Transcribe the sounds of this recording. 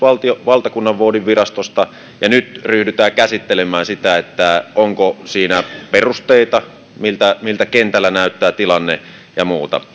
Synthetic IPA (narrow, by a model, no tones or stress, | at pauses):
ʋɑlt̪ioʋɑlt̪ɑkunːɑʋʋoodiʋʋirɑst̪ost̪ɑ | jɑnyt̪ryhdyt̪æːkæsit̪ːelemæːsit̪æet̪ːæʔoŋkosiːnæperust̪eˑit̪ɑ | milt̪æmilt̪ækent̪ælːænæˑyt̪ːæːt̪ilɑnːḛ | jɑmuːt̪ɑ̰